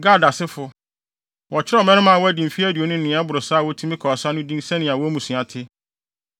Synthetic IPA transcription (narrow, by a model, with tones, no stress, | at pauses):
ɡa˦˨da˨sɪ˦fʊ˨ | wɔ˨t͡ɕʰɪ˦ɾɛ˦˨mɛ̃˦nɪ̃˦mã˨wɔ˦æ˦dĩ˨m̩˨fi˦æ˦di˨o˨nʊ̃˦n̩˦˨nɪ̃˨˦a˦bʊ˨ɾʊ˨sa˦˨wɔ˦tʰĩ˦mɪ̃˦kʰɔː˨sa˦nʊ̃˦dĩ˦nsɛ˦nɪ̃˨a˨wɔ˦mũ˨sĩ˨ã˨tʰɪ˦